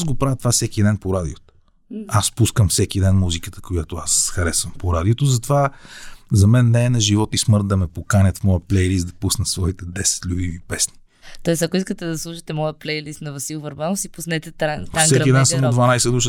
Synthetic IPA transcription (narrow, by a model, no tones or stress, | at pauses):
zɡopɾavət̪vafsɛk̟id̪ɛnpoɾad̪ḭot̪o̥ | aspuskəmfsɛkid̪ɛnmuzikət̪ə̥kojat̪oasxɐɾɛsvəmpoɾad̪iot̪ozɐt̪ova | zɐmɛnːɛːnɐʒivɔt̪ismɤɾt̪̚d̪ɐmɛpokanʲət̪fmɔjəplɛjlist̪̚d̪ɐpusnəsvɔit̪ɛd̪ɛsɛ̥t̪lʲubivipɛsni̥ | t̪ɔɛst̪ɐkoiskət̪ɛd̪ɐslˠuʃi̥t̪ɛmɔjəplɛjlist̪nɐvɐsilˠvɐɾbanosipusnɛt̪ɛt̪ɾasɛkid̪ɛnsɐmod̪vɐnajsɛd̪uʃə